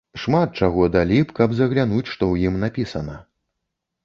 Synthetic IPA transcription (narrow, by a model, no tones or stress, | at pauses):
ʂmat̪̚t͡ʂaɣɔd̪alʲipkɐbzɐɣlʲanut͡sʲʂt̪ɔwjimnapʲisɐnɐ